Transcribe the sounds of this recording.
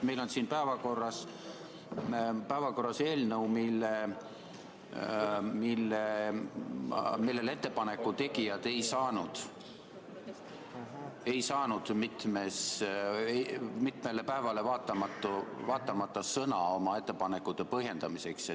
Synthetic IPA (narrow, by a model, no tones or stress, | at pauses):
me̞jlo̞nsiːnpæevɑko̞rːɑs | pæevɑko̞rːɑse̞ːlnəwmilːe | milːe | milːe̞le̞t̪ːe̞pɑnekːˑut̪e̞ɡ̥ijɑd̪̥e̞jsɑːnud̪̥ | e̞jsɑːnud̪̥mit̪mes | emit̪melːe̞pæevɑle̞vɑːt̪ːˑɑmɑt̪ːˑuvɑːt̪ːˑɑmɑt̪ːɑsɤnɑo̞mɑe̞t̪ːe̞pɑne̞kːud̪̥e̞pɤɦje̞nd̪̥ɑmise̞ks